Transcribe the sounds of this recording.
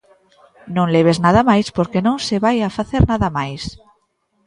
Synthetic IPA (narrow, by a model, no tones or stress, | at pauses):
nõŋleβ̞eznað̞amajspoɾkenõŋseβajafaθeɾnaðamajs